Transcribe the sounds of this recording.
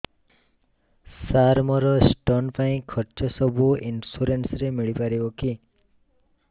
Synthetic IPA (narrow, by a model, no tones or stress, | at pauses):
saɾmɔɾɔsʈɔnpaĩkʰɔɾt͡ʃɔsɔbʱuinsuɾensɾemiɭipaɾibɔki